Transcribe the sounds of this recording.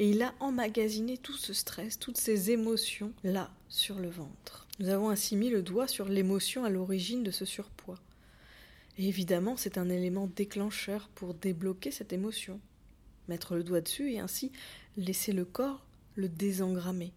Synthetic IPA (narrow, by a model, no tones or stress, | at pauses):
eilaʔɑ̃maɡʲazinet̪usəst̪χɛst̪ut̪sezemɔsjɔ̃lasyʁləvɑ̃t̪χnuzavɔ̃ɛ̃similəd̪wasyʁlemɔsjɔ̃alɔʁiʒind̪əsəsyʁpwa | eːvid̪amɑ̃sɛt̪ɛ̃nelemɑ̃d̪eklɑ̃ʃœʁpuʁd̪eblɔkʲesɛt̪emɔsjɔ̃ | mɛt̪χələd̪wad̪əsyeɛ̰̃sileseləkɔʁ | ləd̪ezɑ̃ɡʁame